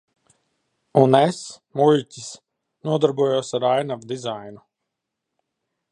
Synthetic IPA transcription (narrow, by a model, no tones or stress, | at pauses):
unesmulʲcʲis | nuɔd̪aɾbuɔjuɔsaɾajnavd̪izajnu